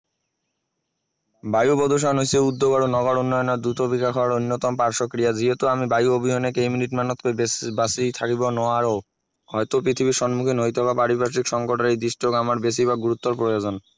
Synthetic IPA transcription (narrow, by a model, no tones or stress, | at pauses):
bajubɔd̪oʃ̬anosieud̪ːoɡaɾonɔɡɔɽunːɔjoneɾd̪ɾut̪obikakʰɔwaɾojnːot̪ɔmpaɾʃokɾijad͡ʑʱiet̪oamibajuobiɦonekejminiʈmanot̪kobasit̪ʰakibonɔaɾo | hɔjt̪opɾit̪ʰibiɾʃɔnmukʰinojt̪ʰobapaɾibaʃikʃɔŋkoʈaɾejd̪iʃʈoɡamaɾbes̬iβaɡuɾut̪ːoɾpɾojod͡ʑon